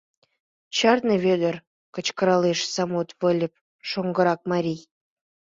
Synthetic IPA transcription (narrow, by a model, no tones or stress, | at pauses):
t͡ɕɑrnɤβʲed̪ə̆r | kə̆t͡ɕkə̆ɾɑleʃsɑmot̪vɤ̆lʲə̆p̚ | ʃoŋɡɤ̆ɾɑk̚mɑɾʲij